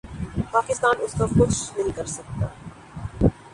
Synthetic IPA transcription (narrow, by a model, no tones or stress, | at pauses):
paːkɪst̪aːnʊskakʊt͡ʃʰnɐɦĩkɐɾsɐk̚t̪a̰ː